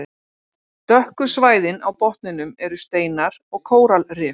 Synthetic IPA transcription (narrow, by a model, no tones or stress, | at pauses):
t̪œhkʏsvaːjðɪna̰wpɔht̪nɪnʏmɛɾʏst̪eːjnaɾɔɣkʰoːwɾalrɪː